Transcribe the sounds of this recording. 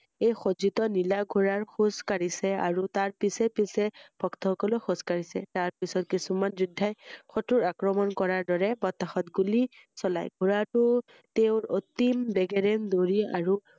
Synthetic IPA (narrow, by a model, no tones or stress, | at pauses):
ejxozitɔnilaɡʱuɹaɹxuskaɹisɛa̰ɹutaɹpisɛpisɛb̥ʱɔktɔxɔkɔlɔxɔskaɹisɛ̰taɹpisɔtkisumanzudʱːajxɔtuɹakɹɔmɔnkɔɹaɹdɔɹɛpɔtːaxɔtɡuli | sɔla̰jɡʱuɹatʊ | teʊɹot̪imbɛɡɛɹɛndoɹia̰ɹu